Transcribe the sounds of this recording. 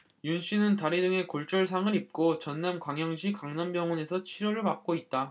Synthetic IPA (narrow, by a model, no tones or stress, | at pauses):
junɕ͈ʰinɯntaɾidɯŋe̞koɭt͡ɕ͈ʌɭsʰaŋɯɾip̚k͈ot͡ɕʌnːamkwaŋjʌŋɕʰikaŋnʌnbjʌŋʌnesʰʌt͡ɕʰiɾjoɾɯɭpak̚k͈oit̚t͈a